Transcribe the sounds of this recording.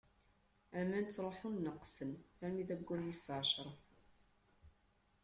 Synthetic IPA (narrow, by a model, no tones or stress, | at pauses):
æmænt͡sːɾˤoħunːəqːsənfæɾmiðæɡʷːænːisʕʃɾˤəf